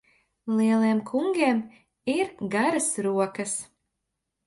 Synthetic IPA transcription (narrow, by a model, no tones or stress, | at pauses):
lˠiɛlˠiɛmkʰuŋɡʲiɛm | iɾɡaɾasɾuɔkɐs